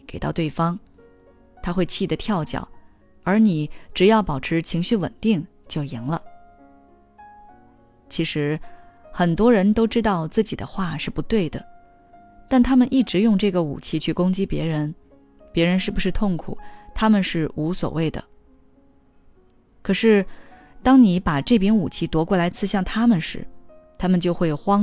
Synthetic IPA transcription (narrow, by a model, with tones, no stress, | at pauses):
ke˨˩ɪt̪ɑ˥˧ʊt̪we˥˩ɪfɑ˥ŋ | t̪ʰa˥xwe˥˧ɪt͡ɕʰi˥˩d̪ə˩t̪ʰjɑ˥˩ʊt͡ɕjɑ̰˨˩˦ʊ | ə˞˧˥ni˨˩˦ʈ͡ʂɻ̩˨˩jɑ˥˩ʊpɑ˨˩ʊʈ͡ʂʰɻ̩˧˥t͡ɕʰi˧˥ŋɕy˥˩wə̰˨˩nt̪i˥˩˧ŋ | t͡ɕjo˥˩ʊji˧˥ŋlə˧ | t͡ɕʰi˧˥ʂɻ̩˧˥xə˨˩nt̪wɔ˥ɻə˧˥nt̪o˥ʊʈ͡ʂɻ̩˥t̪ɑ˥˧ʊt͡sɹ̩˥˩t͡ɕi˨˩d̪ə̰˦xwa˥˧ʂɻ̩˥˩pu˧˥t̪we˥˩ɪd̪ə˩ | t̪a˥˩nt̪ʰa˥mə˨nʔi˥˩ʈ͡ʂɻ̩˧˥jʊ˥˧ŋʈ͡ʂɤ˥˩ɡə˩ṵ˨˩t͡ɕʰi˥t͡ɕʰy˥˩kʊ˥ŋt͡ɕi˥pjɛ˧˥ɻə˧˥n | pjɛ˧˥ɻə˧˥nʂɻ̩˥˩bu˩ʂɻ̩˥˧t̪ʰʊ˥˩ŋkʰṵ˨˩˦t̪ʰa˥mə˨nʂɻ̩˥˩u˧˥swɔ̰˨˩we˥˩ɪd̪ə̰˩ | kʰɤ˨˩ʂɻ̩˥˩ | t̪ɑ˥ŋni˧˥pa˨˩ʈ͡ʂɤ˥˩pjɛ˥nu˨˩t͡ɕʰi˥t̪wɔ˧˥kwɔ˥˩la˧˥ɪt͡sʰɹ̩˥˧ɕjɑ˥˩ŋt̪ʰa˥mə˨nʂɻ̩̰˧˥ | t̪ʰa˥mə˨nt͡ɕjo˥˧ʊxwe˥˩ɪ˩xwɑ˥